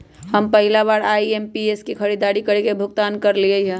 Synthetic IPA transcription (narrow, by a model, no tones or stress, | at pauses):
həmpəɦɪlaβaːɾaiempieskikʰəɾid̪aɽikəɾekebʱʊɡ̚t̪aːnkəɾliəɦɛ̃